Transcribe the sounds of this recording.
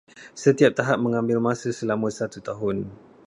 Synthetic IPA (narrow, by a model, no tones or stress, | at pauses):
sət̪iap̚t̪aɦap̚mə̃ŋãmbɪlmãsəsəlamə̃sat̪ut̪aɦʊn